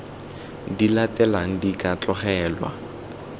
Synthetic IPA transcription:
dilatɛlaŋ̩dikʼat͡ɬɔχɛːlwa̰

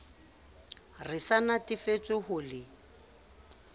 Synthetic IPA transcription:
rɪsanatɪfet͡sʼɪhʊːlɪ

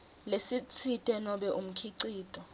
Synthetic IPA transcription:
lesit͡sʰitʼɛnɔɓɛʔum̩kʰiǀiːtʼɔ

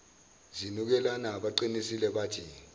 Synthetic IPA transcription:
zinuk̬ɛlanaɓaǃinisilɛɓaːtʰi

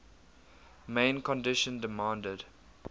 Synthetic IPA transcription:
mẽɪ̃nkɔ̃ndɪʃə̃ndɪmãːndəd̥

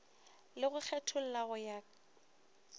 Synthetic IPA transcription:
lɪɣʊk͡xʰɛtʰʊl̩laɣʊjaː

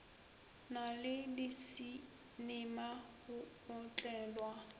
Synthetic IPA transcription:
nalɪdɪsi | nɪmahʊ | ʊt͡ɬʼɛːlwa

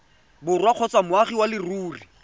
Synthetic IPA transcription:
bʊrwaq͡χʰɔt͡sʼamʊaχiwalɪruːri

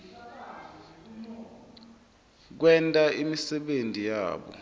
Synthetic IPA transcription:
k̬wɛntʼaimisɛɓentʼija̰ːɓɔ̰

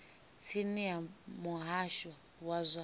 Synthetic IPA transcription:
t͡sʰiniamuɦaʃwa | wazʷa

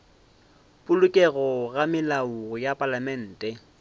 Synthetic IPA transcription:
pʼʊlʊkʼɛɣɔɣamɪlaʊɣʊjapʼalamɛn̩ːtʼɛ

